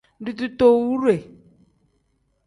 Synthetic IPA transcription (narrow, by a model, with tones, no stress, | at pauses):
ɖu˨t̪u˦t̪o˦wu˦ɾe˨